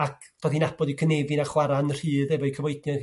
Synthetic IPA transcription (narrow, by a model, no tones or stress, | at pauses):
akʰ | d̥ɔːðinab̥ɔdikʰənevɨnaχwaɾanr̥iːðɛvɔikʰəvɔɨdnjɔ